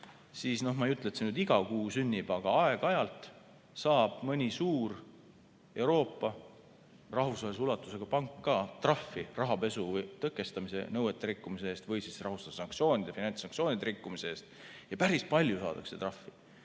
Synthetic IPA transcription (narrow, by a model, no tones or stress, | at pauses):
siːsno̞hmɑjyt̪ːˑlet̪senyd̪iɡ̥ɑkuːsynʲːib̥ɑɡ̥ɑɑe̞ɡ̥ɑjɑlt̪ˑ | sɑːb̥mɤnʲisuːr | e̞wɾo̞ːpːɑ | rɑɦusvɑesulɑt̪ːˑuse̞ɡ̥ɑpɑŋkːɑːt̪rɑfːirɑɦɑpe̞suvjt̪ɤkːˑe̞st̪ɑmise̞̰nɤwet̪ːˑe̞ɾikːumiseeːst̪vɤjsisrɑɦust̪ɑd̪̥sɑŋkt̪sio̞ːnʲid̪̥efinɑnʲsɑŋktsio̞ːnʲid̪eɾikːumise̞e̞ːst̪jɑpæɾispɑlʲjusɑ̰ːd̪̥ɑ̰kse̞t̪rɑfːi